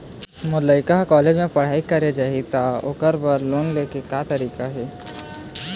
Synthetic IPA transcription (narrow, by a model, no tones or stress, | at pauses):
mʊləɪkaɦkɔːleːd͡ʒmẽpɐɽ̤aːikɐɾed͡ʒaɦit̪aʊ̰kəɾbəɾloːnleːkekat̪ɐɾiːkaɦɛː